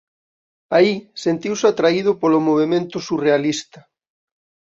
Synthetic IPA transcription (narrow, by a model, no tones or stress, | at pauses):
aisent̪iwsat̪ɾaið̞ʊpolomoβ̞emẽnt̪ʊsurealist̪ɐ